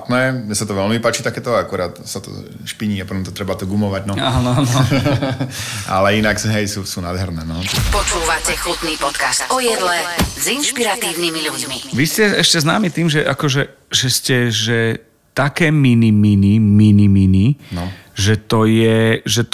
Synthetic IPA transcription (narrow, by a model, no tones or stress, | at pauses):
t̪nɛːmɛsat̪ɔʋɛlmipaːt͡ʃiːt̪akɛːt̪ɔakuɾaːt̪sat̪ɔ̰ | ʃpiɲiːapɔt̪ɔmt̪ɔt̪ɾɛbat̪ɔɡumɔʋaɟnɔaːnɔanɔ | a̰lɛinakɦɛjsuːsuːnad̪ɦɛɾnɛːnɔt͡ʃɛpɔt͡ʃuːʋacɛxut̪niːpɔt̪kast̪ɔjɛd̪lɛzinʃpiɾat̪iːʊnimiʎuɟmiʋiscɛɛʃcɛznaːmit̪iːmʒɛʔakɔʒɛ | ʒɛscɛʒɛ | t̪akɛːminiminiminimininɔʒɛt̪ɔjɛʒɛ